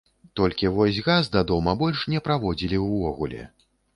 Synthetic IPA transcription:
t̪ɔlʲkʲivɔsʲɣazd̪ad̪ɔmɐbɔlʲʂnʲɛpɾavɔd͡zʲilʲiwvɔɣulʲɛ̰

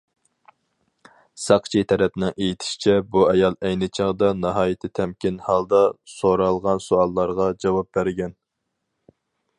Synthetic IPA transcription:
sɑqt͡ʃʰit̪ʰɛɾɛpnɪŋejit̪ʰɪ̥ʃi̥t͡ʃʰɛbuɛjɑlˠɛjnɪt͡ʃʰɑʁd̪ɑnɑɦɑːjit̪ʰɪt̪ʰɛmkʲinhɑlˠd̪ɑsoɾɑlˠʁɑnsoɑlˠːɑɾʁɑd͡ʒɑwɑp̚bæɾɡʲɛn

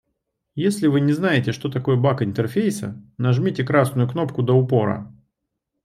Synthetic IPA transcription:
jesʲlʲɪvɨnʲɪznajɪtʲɪʂt̪o̞t̪ɐko̞jəbakɪnt̪ərfʲejsə̰nɐʐmʲitʲɪkɾasnʊjʊkno̞pkʊd̪əʊpo̞ɾə̰

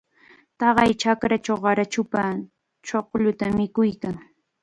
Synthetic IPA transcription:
t̪ɑɢɑjt͡ʃakɾat͡ʃawɢɑɾat͡ʃʊpa | t͡ʃoqʎʊt̪amɪkʊjkaŋ

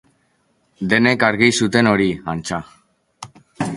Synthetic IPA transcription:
d̪e̞ne̞kaɾɣisut̪e̞no̞ɾiant͡sa

